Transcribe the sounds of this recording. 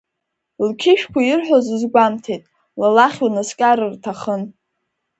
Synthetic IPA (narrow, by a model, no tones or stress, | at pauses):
lkʲʰɪʃᶣkʷʰajɪrħʷᶣozɨzɡʷamtʰejtʼ | lalaχʲwanaskʲʼaɾɨrtʰaχən